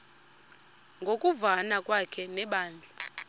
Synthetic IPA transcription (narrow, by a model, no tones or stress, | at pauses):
ŋɡʱokʼuvanakʼwakʰɛnɛɓaːnd͡ɮʱa